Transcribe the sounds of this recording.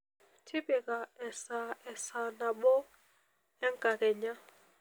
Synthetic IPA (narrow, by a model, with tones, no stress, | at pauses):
tʰi˦bɛ˨ka˨ɛ˨sa˨ɛ˨sa˨na˨ɓɔ˦ | ɛ˦ŋka˨kɛ˨ɲa˦